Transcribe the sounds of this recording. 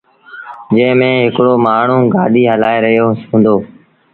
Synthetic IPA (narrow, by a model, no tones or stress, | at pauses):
d͡ʒə̃ːmẽːɦɪkɽoːmaːɳ̤ũːɡaːɗiːɦəlaːeɾəɦijoːũːnd̪oː